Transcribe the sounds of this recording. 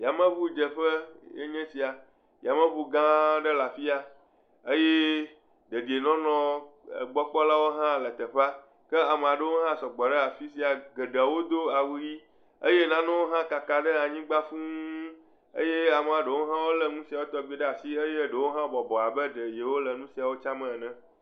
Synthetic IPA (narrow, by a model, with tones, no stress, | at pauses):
ja˨mə̃˦βu˦d͡ʒə˨ɸə˦jḛ˦ɲɛ̃˦si˨a˨ | ja˨mə̃˦bu˨ɡã˦ɖə˦la˨fi˦a˨ | ə˦je˦ | ɖə˨di˨e˨nɔ̃˦nɔ̰̃˦˨ɡ͡bɔ˦k͡pɔ˦la˦wo˦ɦã˦lə˨t̪ə˨ɸa˦ | kə˦a˨me˨a˨ɖə˦wo˦ɦã˦sɔ˨ɡ͡bɔ˨ɖə˦a˨fi˦si˨a˨ɡə˨ɖə˨wo˦d̪o˦a˨wu˦ji˦ | ə˦je˦nã˦nɛ̃˦wo˦ɦã˦ka˨ka˨ɖə˦a˨ɲĩ˦ɡ͡ba˦fũ˦ | ə̰˦je˦a˨me˨a˨ɖə˨wo˦ɦã˦wo˦lə˨nũ˦si˨a˨wo˦t̪ɔ˨ɡ͡be˦ɖə˦a˨si˦e˦je˦ɖə˨wo˦ɦã˦bɔ˨bɔ˨a˨bə˦ɖə˨je˨wo˦lə˨nũ˦si˨a˨wo˦t͡ʃa˦mə̃˨nɛ̃˦